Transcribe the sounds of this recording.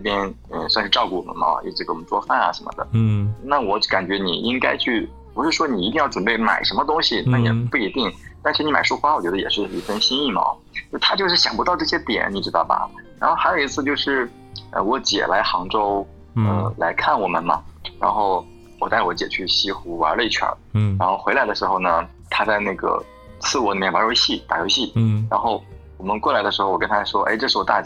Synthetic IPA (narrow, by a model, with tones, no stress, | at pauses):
ʈ͡ʂɤ˥˩pjɛ˥n | ə˧swa˥˧nʂɻ̩˥˧ʈ͡ʂɑ˥˧ʊku˥˩wɔ˨˩ə̰˧˦nmɐ̰˩˧i˥˩ʈ͡ʂɻ̩˥˩kt͡swɔ˥˧fa˥˩nɐ̰˩ʂə˧˥mə̰˧˩d̪ə̰˩na˥˩wɔ˧˥ka˨˩nt͡ɕɥɛ˧˥nḭ˨˩i˥ŋka˥ɪt͡ɕʰy˥˩ | pu˧˥ʂɻ̩˥˩ʂwɔ˥ni˨˩i˧t̪i˥˧ŋjɑ˥˩ʊʈ͡ʂwə˨˩pe˥˩ɪma̰˨˩ɪʂə˧˥mə˧t̪ʊ˥ŋɕi˨na˥˩jɛ̰˨˩pu˥˩i˧˥t̪i˥˩ŋt̪a˥˧nʂɻ̩˥˩i˧˥ma˨˩ɪʂu˥xwa˥wɔ˨˩t͡ɕɥɛ˧˥d̪ə˧jɛ˨˩ʂɻ̩˥˩i˧˥fə˥nɕi˥ni˥˩ma̰˨˩˦t͡ɕo˥˩t̪ʰa˥t͡ɕjo˥˧ʊʂɻ̩˥˩ɕjɑ˨˩ŋpu˧˥t̪ɑ˥˧ʊʈ͡ʂɤ˥˩ɕjɛ˥t̪jɛ̰˨˩˦nni˨˩ʈ͡ʂɻ̩˧˥t̪ɑ˥˩ʊbɐ̰˩ɻa˧˥nxo˥˩ʊxa˧˥ɪjo˨˩i˧˥t͡sʰɹ̩˥˧t͡ɕjo˥˧ʊʂɻ̩˥˩ | ə̰˧wɔ˧˥t͡ɕjɛ̰˨˩lʔa˧˥ɪxɑ˧˥ŋʈ͡ʂo˥ʊ | ə̰˧la˧˥ɪkʰa˥˩nwɔ˨˩mə̰˦nmɐ̰˧ɻa̰˧˥nxo˥˩ʊ | wɔ˨˩t̪a˥˩ɪwɔ˧˥t͡ɕjɛ˨˩t͡ɕʰy˥˩ɕi˥xu˧˥wa̰˧˥ə˧i˥˩t͡ɕʰɥə̰˧˥ɻa˧˥nxo˥˩ʊxwe˧˥la˧˥d̪ə˧ʂɻ̩˧˥xo˥˧ʊnə˩ | t̪ʰa˥t͡sa˥˧ɪna˥˩ɡə̰˩ | t͡sʰɹ̩˥˩wɔ˧˥li˨˩mjɛ˥˩wpa˧˥ɻo˧˥ʊɕi˥˩t̪a̰˨˩ɻo˧˥ɕi˥˩ɻa˧˥nxo˥˩ʊ | wɔ˨˩mə˦nkwɔ˥˩la˧˥ɪd̪ə˧ʂɻ̩˧˥xwɔ˨˩kə˥nt̪ʰa˥ʂwɔ˥ʔe˥˧ɪʈ͡ʂɤ˥˧ʂɻ̩˥˩wɔ˨˩t̪a̰˥˩t͡ɕ